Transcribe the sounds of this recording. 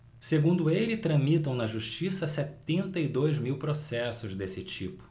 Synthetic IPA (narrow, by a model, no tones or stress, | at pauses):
seɡũnd̪ʊelɪt̪ɾɐ̃mit̪ɐ̃w̃nɐʒuʃt͡ʃisɐsɛt̪ẽnt̪ɐid̪ojzmiwpɾosɛsʊzd̪esɪt͡ʃipʊ̥